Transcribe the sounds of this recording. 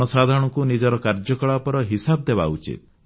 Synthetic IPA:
ɔsad̪ʱaɾɔɽ̃ɔŋkunid͡ʒɔɾɔkaɾd͡ʒɔkɔɭapɔɾɔɦisab̚d̪ebaut͡ʃḭt̪̚

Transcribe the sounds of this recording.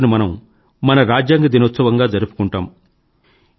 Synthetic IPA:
nimɐnɐm | mɐnɐɾaːd͡ʒjaːŋɡɐd̪inot̪sɐʋɐŋɡaːd͡ʒɐɾupu̥kuɳʈaːm

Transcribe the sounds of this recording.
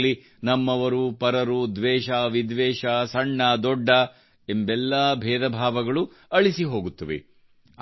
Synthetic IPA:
li | nɐmːɐʋɐɾupɐɾɐɾud̪ʋɛːʃaːʋid̪ʋɛːʃasɐɳːɐd̪ɔɖːɐ | embɛlːɐbʱɛːd̪ɐbʱaːʋɐɡɐɭu | ɐɭisiɦo̞ːɡut̪ːɐʋḛ

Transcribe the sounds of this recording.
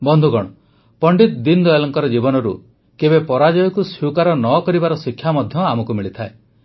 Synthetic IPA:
bɔnd̪ʱuɡɔɽ̃ɔ | pɔɳɖit̪d̪ind̪ɔjlɔŋkɔɾɔd͡ʒibɔnɔɾṵ | kebepɔɾad͡ʒɔjɔkusjukaɾɔnɔkɔɾibaɾɔsikʰjamɔd̪ʱjɔamɔkumiɭit̪ʰae

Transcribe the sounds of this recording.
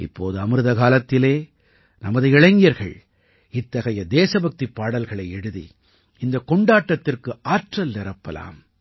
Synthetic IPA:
ɪ̰pːo̰ːðɯɐmɯɾɯðɐɣaːlɐt̪ːɪleː | nɐmɐðɯɪɻɐɪŋɡɪjɐɾɣɐɭ | ɪt̪ːɐɣɐjɐd̪eːsɐbɐk̚t̪ipːaːɽɐlɣɐɭɐɪɛɽɯðḭ | ɪnd̪ɐkɔɳɖaːʈːɐt̪ːɪrkɯʔaːʈrɐlːɛɾɐpːɐla̰ːm

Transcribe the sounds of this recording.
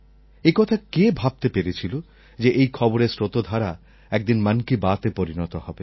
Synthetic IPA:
ekɔt̪ʰakebʱab̚t̪epeɾet͡ɕʰilo | d͡ʑeʔejkʰɔboɾesɾot̪od̪ʱaɾa | ɛk̚d̪inmankibat̪epoɾinɔt̪ohɔbe

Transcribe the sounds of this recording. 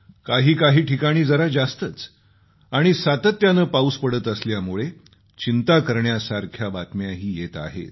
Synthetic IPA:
kaɦiːkaɦiːʈʰikaɽ̃iːd͡zəɾad͡zast̪ət͡s | aɽ̃isat̪ət̪janəːpauspəɽət̪əsljamuɭe | t͡ɕint̪akəɾɳjasaɾkʰjabat̪mjaɦiːjet̪a̰ɦḛt̪

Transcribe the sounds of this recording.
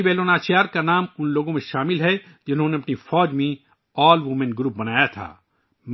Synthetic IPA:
beːloːnaːt͡ʃjaːɾkanaːmʊnloːɡõmẽʃaːmɪlɦɛ | d͡ʒɪnɦõneɐpnifɔːd͡ʒmẽ | ɔːlʋumẽnɡɾup̚bɐnaːjat̪ʰa̰ː | m

